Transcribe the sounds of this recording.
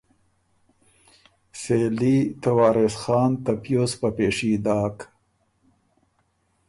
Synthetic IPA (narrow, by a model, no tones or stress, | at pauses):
selit̪awɑːɾesxɑːnt̪apjospapeʂid̪ɑːk